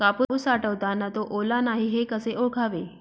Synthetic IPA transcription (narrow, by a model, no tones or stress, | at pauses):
kapuusaʈəʋt̪anːat̪oʔolanaɦiɦekəseʔokʰaʋe